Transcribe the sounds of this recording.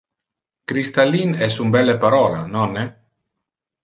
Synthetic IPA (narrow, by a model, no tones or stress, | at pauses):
kɾist̪alːinɛsumbɛlːepaɾɔla̰nɔnːe